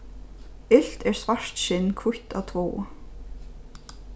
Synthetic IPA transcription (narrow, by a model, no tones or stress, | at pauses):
ɪl̥t̪ɛɹ̥svaʂt̪ʃɪnːkʰvʊht̪awt̪ʰvoː